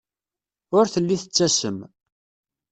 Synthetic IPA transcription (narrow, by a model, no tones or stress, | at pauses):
ʊɾθəlːiθə̥t͡sːæsəm